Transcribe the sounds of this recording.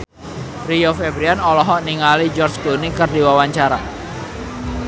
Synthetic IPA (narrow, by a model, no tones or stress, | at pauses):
riofebɾianɔlɔɦɔʔniŋalid͡ʒɔrd͡ʒɡonikɨrdiwawaɲt͡ʃaɾa